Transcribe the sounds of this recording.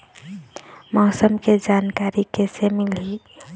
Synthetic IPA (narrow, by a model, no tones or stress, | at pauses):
mɔːsəmked͡ʒaːnkaːɾikesemɪli